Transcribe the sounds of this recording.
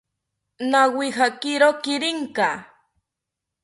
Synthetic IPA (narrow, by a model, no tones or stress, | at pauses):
nawixakɪɾokɪɾɪŋka